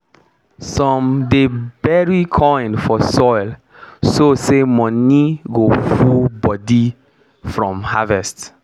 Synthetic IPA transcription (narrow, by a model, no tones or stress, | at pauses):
sɔ̃mdebɛɹikʰɔ̃nfɔsɔjl | sosemɔ̃niɡofubɔdi | fɹɔ̃mhavɛst